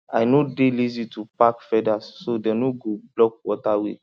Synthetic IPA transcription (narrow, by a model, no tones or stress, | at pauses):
a̰jnodelizitupakfɛdasːodɛnoɡoblɔk̚wɔtawḛ